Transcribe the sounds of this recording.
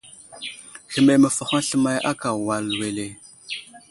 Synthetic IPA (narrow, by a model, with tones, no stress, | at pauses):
xə˨me˨mə˨fə˨xa˦ɬə˦ma˦jʔa˦ka˨wa˨lwe˨le˨